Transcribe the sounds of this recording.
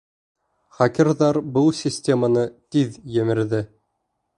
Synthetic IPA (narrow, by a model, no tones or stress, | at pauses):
χɑkʲĭɾðɑɾbɤlˠsʲɪsʲtʲemanɤt̪iðjɘ̆mɘ̆ɾðɘ